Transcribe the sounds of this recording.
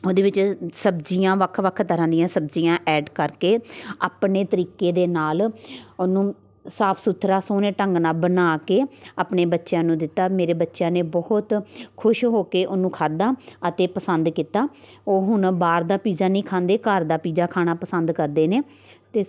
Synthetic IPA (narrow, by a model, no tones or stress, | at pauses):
oːd̪eːʋɪt͡ʃsəbd͡ʒijãːʋəkʰːʋəkʰːt̪əɾãːd̪ijãːsəb̚d͡ʒiːãːʔɛːɖkəɾkeːaːpneːt̪əɾiːkeːd̪eːnaːlʊnũː | saːpʰsʊt̪ʰːɾaːsoːneːʈəŋɡnaːbənaːkeːaːpneːbətːʃjãːnũːd̪ɪt̪ːaːmeːɾeːbətːʃjãːneːbɔɦt̪kʰʊʃɦoːkeːʔonũːkʰaːd̪aːət̪eːpəsənd̪kiːt̪aː | oːɦʊnbaːɾd̪aːpiːzaːnĩːkʰãːnd̪eːkəɾd̪aːpiːzaːkʰaːɽaːpəsənd̪kəɾd̪eːneː | t̪eː